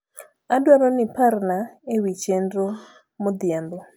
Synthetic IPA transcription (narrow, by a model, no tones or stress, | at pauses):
adwaɾonɪparnaewit͡ʃendɾo | mod̪ɪjambo